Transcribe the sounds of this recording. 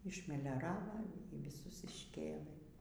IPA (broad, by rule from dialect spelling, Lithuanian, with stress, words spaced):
ɪʃʲmʲɛlʲoːˈrɑːʋɐ iː ʋʲɪˈsʊs ɪʃʲˈkʲeːlˠɘ